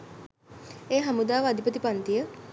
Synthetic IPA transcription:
eːɦamud̪aːʋəad̪ipət̪ipant̪ijə

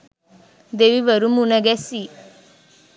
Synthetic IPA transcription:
d̪eʋiʋəɾumunəɡɛsi

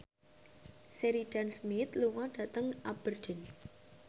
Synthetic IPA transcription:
seɾiɖ̥ansmɪt̪luŋaɖ̥ä̤t̪əŋab̥ərd̥ə̤n

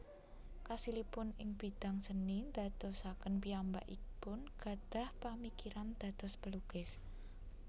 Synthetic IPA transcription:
kasilipʊnɪŋb̥id̪̥a̤ŋsənind̪̥a̤t̪ɔsakənpiamba̰ʔipʊnɡ̥ä̤d̪̥ä̤hpamikiɾand̪̥ä̤t̪ɔspəluɡ̥ɪs

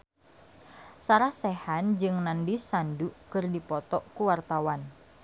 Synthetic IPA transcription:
saɾahsɛhand͡ʒɨŋnandisandukɨrdipɔt̪ɔʔkuwart̪awan

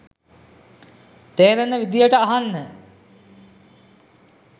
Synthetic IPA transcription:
t̪eːɾenəʋid̪ijəʈəaɦanːə

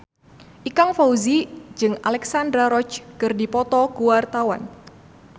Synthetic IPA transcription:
ʔikaŋfauzid͡ʒɨŋalɛksandɾaɾɔt͡ʃkɨrdipɔt̪ɔkuart̪awa̰n

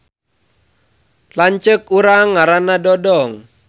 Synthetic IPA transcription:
laɲt͡ʃəkuɾaŋːaɾanadɔdɔŋ

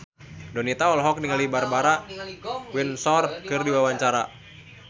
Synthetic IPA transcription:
dɔnit̪aɔlɦɔk̚niŋalibarbaɾa | winsɔrkɨrdiwawaɲt͡ʃaɾa

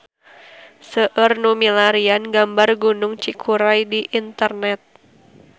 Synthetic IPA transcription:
səʔərnumilaɾianɡambarɡunʊŋt͡ʃikʰuɾajdiʔint̪ərnɛt̪̚

